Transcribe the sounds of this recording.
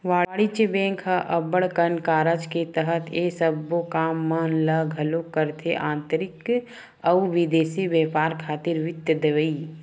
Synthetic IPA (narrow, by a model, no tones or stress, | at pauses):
ʋaːɽit͡ʃebɛ̃ːŋkʰɦaʔɐbəɽkənkaːɾət͡ʃket̪əɦət̪ʰeːsəbːokaːmːənləɡʱɐlokːəɾt̪ʰeʔãːnt̪əɾɪk | ɐuʋɪd̪eːsiʋjɛːpaːɾkʰaːt̪iɾʋɪt̪jəd̪əʋəi